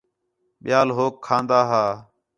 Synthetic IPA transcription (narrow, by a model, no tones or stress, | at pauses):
ɓɪjaːlɦoːkʰːãːnd̪aːɦaː